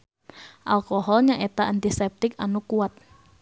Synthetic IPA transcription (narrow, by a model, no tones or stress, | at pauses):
ʔalkoɦɔlɲaŋʔet̪aʔant̪isɛp̚t̪ɪkanukuat̪̚